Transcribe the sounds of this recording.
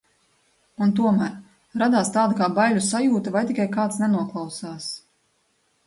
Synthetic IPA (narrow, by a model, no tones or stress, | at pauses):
unt̪uɔmæːɾ | ɾad̪aːst̪aːd̪akaːbalʲːusajuːt̪avajt̪ʲikajkaːt̪snɛnuɔklˠɑwsaːs